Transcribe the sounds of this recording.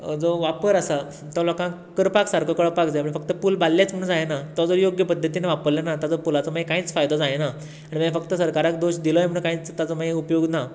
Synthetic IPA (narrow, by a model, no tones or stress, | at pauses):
d͡zoʋapəɾəsa | t̪ɔlɔkã | kəɾpaksaɾkʰɔkəɽpak̚d͡zajpəɳfək̚t̪əpulbalːjat͡sm̤əɽɳ̃ũd͡zajenat̪ɔd͡zoɾjoɡjəpəd̪ʱːət̪ineʋapəɾlanat̪at͡sɔpulat͡sɔmaekãit͡sfajd̪ʱɔd͡zajena | aɽ̃imãfəkt̪əsəɾkaɾak̚d̪oɕd̪ilɔeməɽ̃ũkãĩt͡st̪at͡sɔmaeupjoɡna